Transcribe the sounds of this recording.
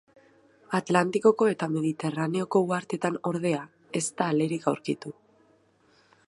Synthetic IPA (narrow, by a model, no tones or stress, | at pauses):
at̪lant̪iko̞ko̞e̞t̪ame̞ðit̪e̞rane̞o̞ko̞uaɾt̪e̞t̪ano̞ɾðe̞a | e̞st̪aːle̞ɾikawɾkit̪u